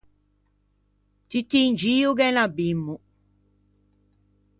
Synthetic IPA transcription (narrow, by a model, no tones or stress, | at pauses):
t̪it̪ːiːnd͡ʒiːukɛnabːimːu